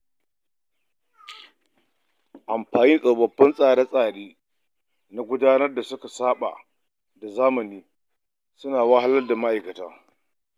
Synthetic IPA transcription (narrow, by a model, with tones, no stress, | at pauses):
ʔa˨mɸaː˨ni˦ŋkʼɐ˨wbɐ˨bːɐ˦nsʼaː˨ɽe˦sʼaː˨ɽiː˦ | na˦ɡʷʊ˦daː˦nɐ˦rda˨sʊ˦ka˨saː˦ɓa̰˨ | da˨zaː˦mɐ˨niː˦ | sʊ˦naː˨wa˦ɦa˦lɐ˦lda˨ma˦ʔa˨jkɐ˨ta̰ː˦